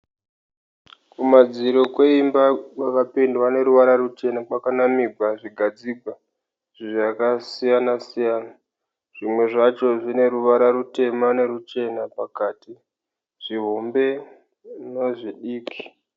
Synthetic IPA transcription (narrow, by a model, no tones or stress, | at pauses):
kumad͡ziɾo̞kwe̞imbawakapindwane̞ɾuʋaɾarut͡ʃe̞nakwakanamiɡʱaʐiɡʱad͡ziɡʱwa | ʐ̥iʐakasijanasijaːna | ʐ̥imwe̞ʐat͡ʃo̞ʐine̞ɾuʋaɾaɾute̞mane̞ɾut͡ʃe̞napakaːti | ʐ̥iɦombe̞ | noʐiɗiːki̥